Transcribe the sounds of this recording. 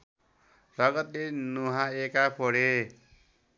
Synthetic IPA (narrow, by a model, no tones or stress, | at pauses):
rʌɡʌt̪lenuɦãekapʰoɽe